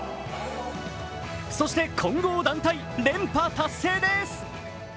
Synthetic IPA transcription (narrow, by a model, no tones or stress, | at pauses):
so̞ɕi̥t̪e̞kʰõ̞ŋɡo̞ːd̪ãnt̪ai | ɾẽ̞mpat̪asːe̞ːd̪esɨ̥